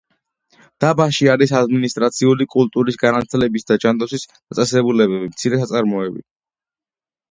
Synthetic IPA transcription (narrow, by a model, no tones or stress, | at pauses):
d̪̥abaʃiaɾisad̪minist̪ʼɾat̪sʰiulikʼult̪ʼuɾisɡaɾant̪ʰlɛbisd̪ad͡ʒand̪ɔsisat̪sʼɛsɛbulɛbɛbimt̪sʰiɾɛsat̪sʼaɾmɔɛbḭ